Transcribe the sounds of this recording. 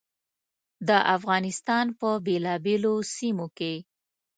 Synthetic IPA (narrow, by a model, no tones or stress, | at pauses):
d̪əʔafɣɑnɪst̪ɑnpəbelɑbelosimoke